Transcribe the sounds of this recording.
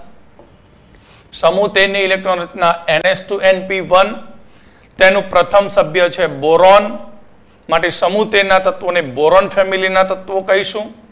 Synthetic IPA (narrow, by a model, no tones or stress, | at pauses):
səmut̪eniilek̚ʈɾonisnaenesʈuʔenpiʋən | t̪enũpɾət̪ʰəmsəbʱjət͡ʃʰeboɾon | maʈesəmut̪enat̪ət̪ʋoneboɾonfʰɛmilinat̪ət̪ʋokəɦiʃũ